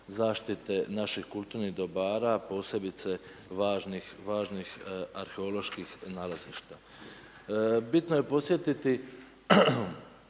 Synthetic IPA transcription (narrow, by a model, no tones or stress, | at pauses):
zaːʃt̪it̪e̞naʃixkulˠt̪uɾniɣd̪o̞baːɾapo̞ːse̞bit̪se̞ | ʋaːʒnixʋaːʒnixaɾxe̞o̞lo̞ʃkixnaːlaziːʃt̪a | bit̪noje̞po̞sje̞t̪it̪i